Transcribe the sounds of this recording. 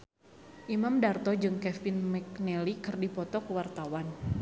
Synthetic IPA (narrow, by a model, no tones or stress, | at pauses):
ʔimamdart̪ɔd͡ʒɨŋkɛfɪnmɛk̚nɛlikɨrdipɔt̪ɔkəwart̪awan